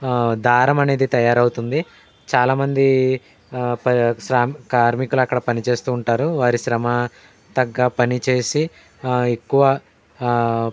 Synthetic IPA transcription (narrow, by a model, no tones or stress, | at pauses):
d̪ʱaːɾɐmɐne̞ːd̪it̪ɐjaːɾɐwut̪und̪i | t͡ʃaːlaːmɐnd̪i | ɐʃɾaːkaːɾmikuluɐkːɐɽɐpɐnit͡ʃe̞ːst̪uːɳʈaːɾuʋaːɾiʃɾɐmɐ | t̪ɐɡːaːpɐnit͡ʃe̞ːsi | ekːuʋɐ